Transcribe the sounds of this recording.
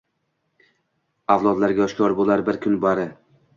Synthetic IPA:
awlˠɒd̪laɾɡʲaɒʃkʰɒɾbolˠaɾbɪɾkʲʰʊnbaɾɪ

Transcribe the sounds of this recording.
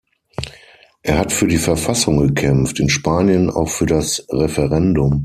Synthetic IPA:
ʔeːɐhatfyːɐdiːfɛɐfasʊŋɡəkʰɛmftɪnʃpaːnjəna̰ʊxfyːɐdasʁɛfɛʁɛndʊm

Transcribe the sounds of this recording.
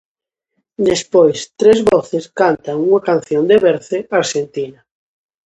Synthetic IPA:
d̪espojst̪ɾezβɔθeskant̪aŋuŋakan̟θjond̪eβeɾθɪaɾʃent̪ina

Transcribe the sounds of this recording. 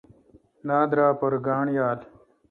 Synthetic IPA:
naːd̪ɾaːpɐɾɡaːɳjaːl

